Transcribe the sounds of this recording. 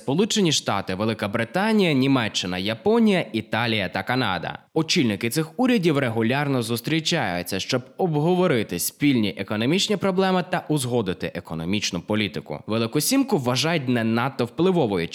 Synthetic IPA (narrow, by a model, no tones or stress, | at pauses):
spɔlˠut͡ʃenʲiʃt̪ɑ̰t̪ɪʋelˠɪkɐbɾɪt̪ɑnʲijɐnʲimɛt͡ʃːɪnɐjɐpɔnʲijɐit̪ɑlʲijɐt̪ɐkɐnɑ̰d̪ɐ̰ɔt͡ʃilʲnɪkɪt̪sɪxuɾʲɐdʲiwreɦʊlʲɑrnɔzʊst̪ɾʲit͡ʃɑjʊ̰t͡sʲːɐʃt͡ʃɔbɔbɦɔʋɔɾɪt̪ɪsʲpʲilʲnʲiʔekɔnɔmʲit͡ʃnʲipɾɔblˠɛmɪt̪ɐʔʊzɦɔd̪ɪt̪ɪʔekɔnɔmʲit͡ʃnʊpɔlʲit̪ɪkʊ̰ʋelˠɪkʊsʲimkʊwːɐʒɑjʊt̚ʲnɛnɑt̪ːɔwplˠɪʋɔʋɔjʊ